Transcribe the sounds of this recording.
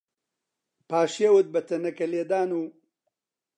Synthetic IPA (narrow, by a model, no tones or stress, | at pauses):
paːʃiɐwut̪̚bɐt̪ʰɐnɐkɐleːd̪aːnuː